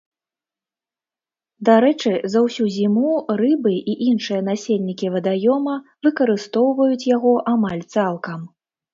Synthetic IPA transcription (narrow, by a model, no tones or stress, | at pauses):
d̪aɾɛt͡ʂɨzɐwsʲuzʲimurɨbɨʔiʔinʂɨjɐn̪asʲelʲnʲikʲivɐd̪ajɔmɐ | vɨkɐɾɨst̪ɔwvɐjut͡sʲjaɣɔʔamalʲt̪salˠkɐm